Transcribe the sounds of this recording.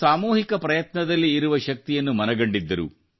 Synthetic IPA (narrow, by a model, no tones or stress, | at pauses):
aːmuːɦikɐpɾɐjɐt̪nɐd̪ɐlːiːɾuʋɐʃɐk̚t̪ijɐnːumɐnɐɡɐɳɖid̪ːɐɾṵ